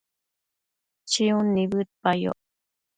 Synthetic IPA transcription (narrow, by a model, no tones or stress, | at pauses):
t͡ʃiunːibɯt̪pajo̰